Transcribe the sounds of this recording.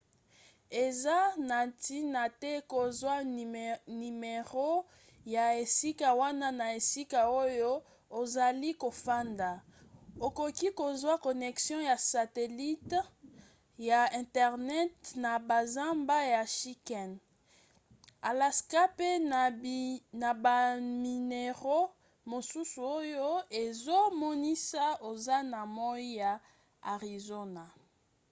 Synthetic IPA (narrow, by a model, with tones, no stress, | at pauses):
e˨za˦na˨ti˦na˨tɛ˦ko˨zwa˦ | ni˨me˨ʁo˦ | ja˨e˨si˦ka˨wa˦na˦na˨e˨si˦ka˨o˦jo˦ | o˨za˨li˦ko˨fa˦nda˨o˨ko˨ki˦ko˨zwa˦ko˨nɛ˨ksjɔ̃˦ja˨sa˨tɛ˨li˦t | ja˨ɛ̃˨tɛ˨ʁnɛ˦tna˨ba˨za˦mba˦ja˨ʃi˦kɛ˨n | a˨la˨ska˦pe˦ | na˨ba˨mi˨ne˨ʁo˦ | mo˨su˦su˨o˦jo˦e˨zo˦mɔ˦ni˦sa˦o˨za˦na˨mɔ˦i˦ja˨ | a˨ʁi˨zo˦na˨